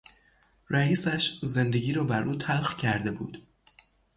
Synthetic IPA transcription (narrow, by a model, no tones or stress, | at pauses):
ɾæiːsæʃze̞nd̪e̞ɟiːɾɒːbæɾʔuːt̪ʰælxcʰæɾd̪e̞bṵːd̪̥